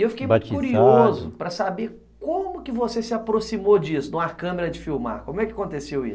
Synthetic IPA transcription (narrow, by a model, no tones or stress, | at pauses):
ewfi̥kejbat͡ʃkuɾiozʊpɾɐsabe | kõmʊkɪvosesɪapɾosimod͡ʒisʊd̪ũakɐ̃meɾɐd͡ʒɪfiwma̰ɾkõmʊɛkɪakõt̪esewisʊ